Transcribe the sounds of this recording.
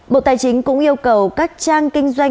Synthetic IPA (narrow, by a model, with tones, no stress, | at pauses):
ɓo̰˧˨t̪aː˨˩jt͡ɕï˨˦ŋ̟kʊ̰˧˥ŋ͡mʔi˧əwkə˨˩wkaː˦˥k̚t͡ɕaː˧ŋkï˧ŋ̟zwa˧j